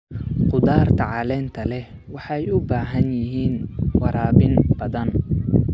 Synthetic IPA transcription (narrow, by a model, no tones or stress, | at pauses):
qʊd̪aːrt̪ʰɐʕɑlɛːnt̪ʰɐlɛ | wɑħɑjʊbaːɦɐnjɪɦiːnwɑɾaːbɪnb̥ɐðɐn